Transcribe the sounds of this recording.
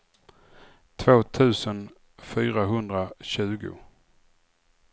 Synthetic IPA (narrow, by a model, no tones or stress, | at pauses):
t̪ʰvoːt̪ʰʉ̟ːsən | fyːɾaɦɵnd̪ɾaɕʉ̟ːɡʊ̰